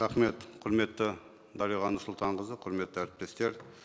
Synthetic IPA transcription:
ɾɑχme̞t̪qʰʊɾme̞t̪ːɪ | d̪ɑɾiʁɑnːʊɾsʊlˠt̪ʰɑɴqəzəqʰʊɾme̞t̪ːɪæɾɪp̚t̪e̞st̪e̞ɾ

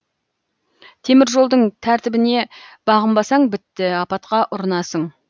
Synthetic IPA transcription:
t̪ʰe̞mɪɾʒo̞lˠd̪əɴt̪ʰæɾt̪ɪbɪne̞b̥ɑʁəmbɑsɑɴbɪt̪ːɪɑpɑt̪qɑʔʊɾənɑsəɴ

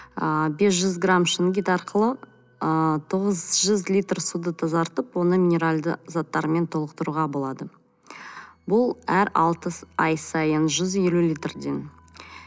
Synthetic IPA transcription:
əbe̞s̬ʒʏzɡramʃɪnɡʲit̪ɑɾqʰəlˠə | ət̪ʰo̞ʁəzʒʏzlʲijt̪rsud̪ət̪ʰɑzɑɾt̪əpwo̞nəmʲinʲe̞ɾalʲd̪ə̰zɑt̪ːɑɾəme̞nt̪ʰolˠəq̚t̪əɾuʁɑbo̞lˠɑd̪ə | bʊlˠæɾɑ̰lˠt̪əɑjsɑjənʒʏzje̞lulʲijt̪rd̪e̞n

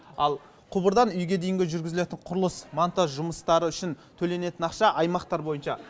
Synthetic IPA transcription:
ɑlˠ | qʰʊbəɾd̪ɑnʏjɡʲe̞d̪e̞jɪŋɡʲeʒʏɾɡʲɪzɪle̞t̪ɪɴqʰʊɾəlˠəsmant̪oʒʊməst̪ɑɾəʏʃɪnt̪ʰɵle̞ne̞t̪ɪnɑqʃɑʔɑjmɑqt̪ɑɾbo̞jənʃɑ

